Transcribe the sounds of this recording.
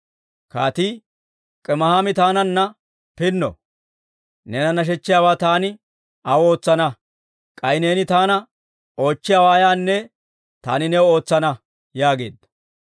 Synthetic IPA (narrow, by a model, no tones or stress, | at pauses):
kaːt̪iː | kʼɛmɐhaːmɪt̪aːnɐnːɐ | pɪnːɔ̰ | nɛnɐnɐʃ̬ɛt͡ʃːɪjaːwaːt̪aːnɪ | ɐwo̞ːt͡sːɐnɐ | kʼɐjne̞ːnɪt̪aːnɐ | o̞ːt͡ʃːɪjaːwaːjaːnːɛ | t̪a̰ːnɪnɛwo̞ːt͡sːɐnɐ | jaːɡe̞̰ːd̪ːɐ̥